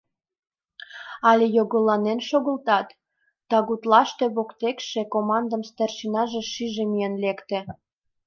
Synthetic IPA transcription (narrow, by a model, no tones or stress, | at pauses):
ɑlʲejoɣəlɑnenʃoɣə̆lt̪ɑt̪ː | ɑɣut̪lɑʃt̪eβokt̪ekʃekomɑnd̪əmst̪erʃinɑʒeʃiʒemienlekt̪e